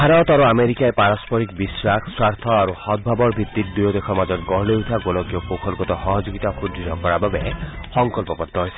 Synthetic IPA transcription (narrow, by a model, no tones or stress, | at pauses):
bʰʱaɾɔt̪aɾuameɾikaepaɾɔspɔɾikbisɾakʰswaɾt̪ʰɔaɾuhɔd̪̚bʱabɔɾbʱit̪ːiɾd̪ujɔd̪ekʰɔmad͡ʒɔtɡɔɦleut̪ʰaɡolɔkjɔkokʰɔlkɔt̪ɔhɔɦɔd͡ʒoɡit̪akʰudɾiɾɔkɔɾababehɔŋkɔlpɔpɔt̪ːɔɦojse̥